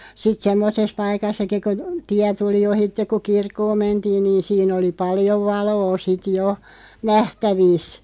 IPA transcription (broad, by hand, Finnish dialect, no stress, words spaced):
sit semːoses pɑikɑsːɑki ku tiæ tuli ohitːek̆ ku kirkːoːm̆ mentiːn niːn̞ siːn oli pɑljoʋ ʋɑloː sit jo næhtæʋiˑs